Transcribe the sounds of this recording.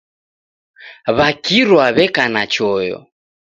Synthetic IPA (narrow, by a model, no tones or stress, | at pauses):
βakiɾwaβɛkanat͡ʃɔjɔ̰